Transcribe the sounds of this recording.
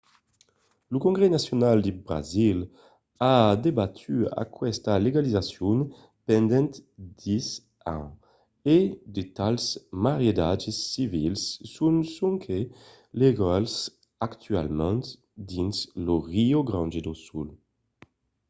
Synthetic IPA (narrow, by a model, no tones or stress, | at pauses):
lukõŋɡʁenasjonald̪ebʁa̰zil | ad̪ebat̪ʰya̰kwɛst̪aleɡalizasjun | pɛnd̪ɛ̃nt̪d̪is | ã̰ | ed̪et̪alsmaʁjed̪ad͡ʒesːivilsːunsuŋkʰe | leɡals | akt̪ya̰lmɛ̃nt̪ | d̪insloʁioɡɾãnd͡ʒed̪osul